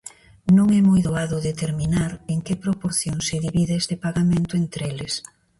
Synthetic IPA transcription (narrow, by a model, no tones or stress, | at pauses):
nõŋɛmojðoaðʊðet̪eɾminaɾeŋkepɾopoɾθjoŋseðiβiðɪest̪ɪpaɣamẽnt̪ʊent̪ɾelɪs